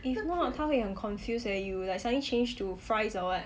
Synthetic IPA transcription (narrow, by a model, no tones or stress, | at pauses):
ifnɔt̚tʰafĩə̃nkʰɔ̃nfjusəjulasãə̃lit͡ʃʰẽnd͡ʒtʰufɹaɪsɔət